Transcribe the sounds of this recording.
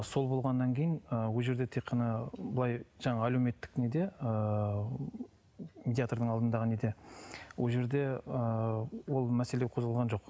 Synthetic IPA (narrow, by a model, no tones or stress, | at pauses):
so̞lˠbo̞lˠʁɑnːɑŋkʲʰejɪnəwoʒe̞ɾd̪e̞t̪ʰeqʰːɑnɑbəlˠɑjʒɑɴɑæleme̞t̪ːɪ̥kne̞d̪e̞ə | med̪ʲiat̪oɾd̪əɴɑlˠd̪ənd̪ɑʁəne̞d̪e̞wolˠʒe̞ɾd̪e̞əwo̞lˠmæse̞leqʰo̞zʁəlˠʁɑnʒo̞q